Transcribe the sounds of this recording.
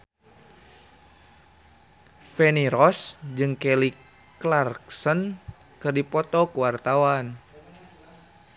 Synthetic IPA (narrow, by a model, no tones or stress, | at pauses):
fɛniɾɔsd͡ʒɨŋkɛli | klarksən | kɨrdipɔt̪ɔkuwart̪awan